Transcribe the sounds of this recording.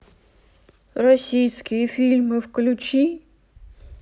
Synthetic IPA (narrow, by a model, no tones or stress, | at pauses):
ɾɔsʲijsʲkʲifʲilʲmɪwklʲut͡ʃi